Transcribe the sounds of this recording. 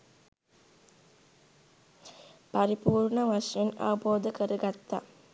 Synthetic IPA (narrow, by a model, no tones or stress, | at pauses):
paɾipuːrɳəʋaʂjena̰ʋɐboːd̪əkəɾəɡat̪ːa̰